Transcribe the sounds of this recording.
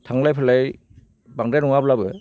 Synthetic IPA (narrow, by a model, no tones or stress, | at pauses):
tʰaŋlajpʰɯlaj | baŋdajnɔŋablabɯ